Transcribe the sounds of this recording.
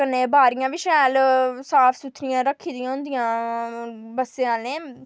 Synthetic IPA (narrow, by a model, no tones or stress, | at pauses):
kənːẽːbaːɾɪjãːʋiʃɛːlsaːpʰsʊt̪ʰnɪjãːɾəkʰːiːd̪ɪãːʊ̃nd̪ijãː | bəseãːneː